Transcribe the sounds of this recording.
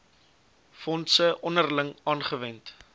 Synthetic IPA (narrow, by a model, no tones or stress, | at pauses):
fɔntsəʔɔnərləŋɑːnχəvɛnt